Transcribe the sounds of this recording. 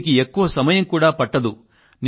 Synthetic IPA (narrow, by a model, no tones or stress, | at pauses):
k̬ie̞kːuʋɐsɐmɐjɐmkuːɽaːpɐʈːɐd̪u | n